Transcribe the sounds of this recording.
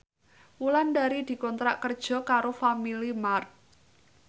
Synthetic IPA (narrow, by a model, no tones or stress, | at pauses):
wuland̪aɾid̪̥i̤kɔnt̪ɾa̰ʔkərd̥ʒ̥ɔ̤kaɾofamilimart̪̚